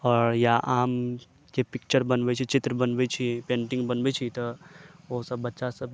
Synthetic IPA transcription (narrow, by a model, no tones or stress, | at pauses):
ɔːɾjaʔaːm | kepɪk̚t͡ʃəɾbɐnbet͡ʃʰit͡ʃɪt̪ɾəbɐnbet͡ʃʰipẽːɳʈɪ̃ŋɡbɐnbet͡ʃʰit̪ɔosɐbːɐtːʃasɐb